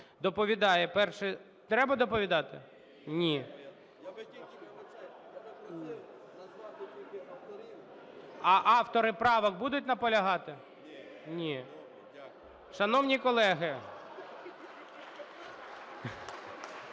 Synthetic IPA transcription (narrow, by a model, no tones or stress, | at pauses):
d̪ɔpɔʋʲid̪ɑjɛpɛrʃɛ | t̪ɾɛbɐd̪ɔpɔʋʲid̪ɑt̪ɪ | nʲi | ɐʔɑft̪ɔɾɪpɾɑʋɐk̚bud̪ʊtʲnɐpɔlʲɐɦɑt̪ɪ | nʲi | ʃɐnɔwnʲikɔlˠɛɦɪ